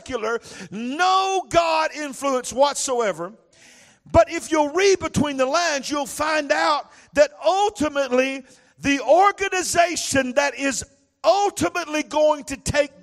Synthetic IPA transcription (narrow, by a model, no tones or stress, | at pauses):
kjl̩ˠə˞noʊɡɑɾɪ̃ɱfluə̃nswʌtsoʊɛvə˞ | b̥ʌɾɪfjəlˠɹid̚bɨtʰw̥ĩnðəlæ̃ndzjulˠfãɪ̃ndaʊt̪̚ | ðɨɾʌlˠtʰɨmɨtˡli | ðiɔɹɡɨnɨzeɪʃɨ̃nðɨɾɪz | ʌlˠtɨmɨtˡliɡoʊɪ̃ŋtɨtʰeɪk̚